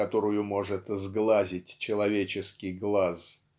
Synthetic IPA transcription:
ɐt̪o̞ɾʊjʊmo̞ʐɨt̪zɡlˠazʲɪtʲt͡ɕɪlˠɐvʲet͡ɕɪskʲɪjɡlˠas

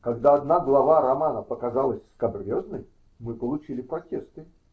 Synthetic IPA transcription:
kɐɡd̪aɐd̪naɡlˠɐvaɾɐmanəpəkɐzalˠəsʲskɐbrʲoznəj | mɨpəlˠʊt͡ɕilʲɪpɾɐtʲe̞st̪ɨ

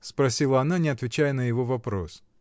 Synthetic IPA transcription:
spɾɐsʲilˠəɐnanʲɪɐt̪vʲɪt͡ɕæjənəjɪvo̞vɐpɾo̞s

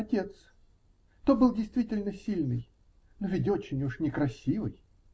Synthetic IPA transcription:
ɐtʲe̞t̪s | t̪obɨlˠdʲɪjst̪vʲitʲɪlʲnəsʲilʲnɨj | novʲɪt̬ʲo̞t͡ɕɪnʲuʂnʲɪkɾɐsʲivɨ̰j

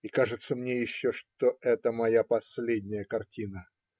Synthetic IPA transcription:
ikaʐɨt̪səmnʲejɪɕːoʂt̪oʔɛt̪əmɐjapɐsʲlʲedʲnʲɪjəkɐrtʲinə

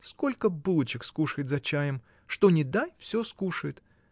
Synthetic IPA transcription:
skolʲkəbɨlˠət͡ɕɪkskuʂəjɪt̪zɐt͡ɕajɪm | ʂt̪onʲɪd̪ajfsʲoskuʂəjɪt̪

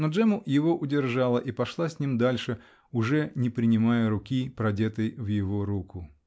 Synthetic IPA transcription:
nod͡ʐɛmʊjɪvoʔʊdʲɪrʐalˠəʔipɐʂlˠasʲnʲimd̪alʲʂɨ | ʊʐɛnʲɪpɾʲɪnʲɪmajəɾʊkʲipɾɐdʲet̪əjvjɪvoɾukʊ

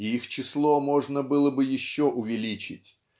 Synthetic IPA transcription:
iixt͡ɕɪslˠomoʐnəbɨlˠəbɨjɪɕːoʔʊvʲɪlʲit͡ɕɪ̰tʲ

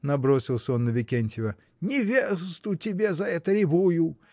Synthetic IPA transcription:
nɐbɾosʲɪlˠsʲəo̞nːəvʲɪkʲenʲtʲɪvə | nʲɪvʲesst̪ʊtʲɪbʲezɐɛt̪əɾʲɪvujʊ

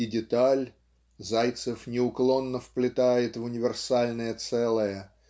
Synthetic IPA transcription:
ɪdʲɪt̪alʲ | zajt̪sɨfnʲɪʊklˠo̞nːəfplʲɪt̪ajɪt̪vʊnʲɪvʲɪrsalʲnəjət̪sɛlˠəjə

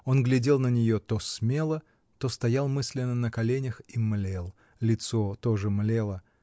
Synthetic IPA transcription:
o̞nɡlʲɪdʲe̞lˠnənʲɪjot̪osmʲe̞lˠə | t̪ost̪ɐjalˠmɨsʲlʲɪnːənəkɐlʲenʲəximlʲelˠ | lʲɪt̪so̞t̪oʐɨmlʲelˠə

